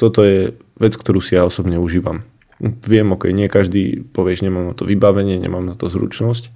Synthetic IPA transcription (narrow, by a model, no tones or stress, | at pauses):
t̪ɔt̪ɔjɛ | ʋɛt͡skt̪ɔɾuːsijaɔsɔbɲɛuʒiːʋam | ʋɪɛmɔkɛjɲɪɛkaʒd̪ḭpɔʋɪɛʒɲɛmaːmnat̪ɔʋibaʋɛɲɪɛɲɛ̰maːmnat̪ɔzɾṵt͡ʃnɔsc